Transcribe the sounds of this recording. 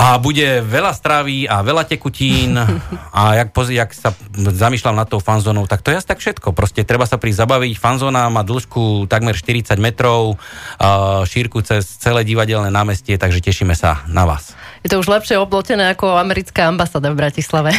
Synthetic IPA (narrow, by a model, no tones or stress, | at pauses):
abuɟɛʋɛlast̪ɾaʋiaʋɛlacɛkuciːnajak̚pɔzaksazamiːʃlamnat̪ːɔʊfanzɔːnɔʊt̪ak̚t̪ɔjɛast̪akfʃɛt̪kɔpɾɔscɛt̪ɾɛbasapɾizabaʋicfanzɔːnamaːd̪l̩ʃkut̪aɡmɛɾʃt̪iɾit͡saɟmɛt̪ɾɔʊ | ʃiɾkut͡sɛst͡sɛlɛːɟiʋaɟɛlnɛːnaːmɛscɪɛt̪aɡʒɛcɛʃimɛsa̰naʋa̰ːsjɛt̪ɔuʒlɛpʃɪɛɔblɔcɛnɛːakɔamɛɾit͡skaambasaːd̪avbɾacislaʋɛ